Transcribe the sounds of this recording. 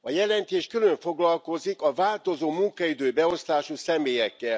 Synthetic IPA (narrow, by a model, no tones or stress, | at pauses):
ɒjɛlɛnt̪eːʃkylø̞ɱfo̞ɡlɒlko̞zikɒvaːlt̪o̞zoːmuŋkɒid̪øːbɛo̞st̪aːʃusɛmeːjɛkːɛl